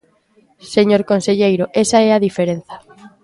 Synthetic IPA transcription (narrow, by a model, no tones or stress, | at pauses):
seɲoɾkonseʎejɾoʔesaɛaðifeɾenθɐ̥